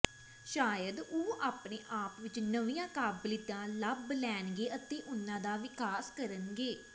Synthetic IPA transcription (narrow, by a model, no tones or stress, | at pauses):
ʃaːjəd̪oːaːpneːʔaːpʋɪt͡ʃnəʋijãːkaːblɪd̪ãːləblɛːnɡeːʔət̪eːʔʊnːãːd̪aːʋɪkaːskəɾənɡeː